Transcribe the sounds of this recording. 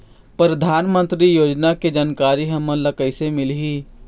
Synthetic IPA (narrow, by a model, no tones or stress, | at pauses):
pɾɐd̪ʱaːnmə̃nt̪ɾijoːd͡ʒnaked͡ʒaːnkaːɾiɦɐmə̃lɐkəɪsemɪlɦiː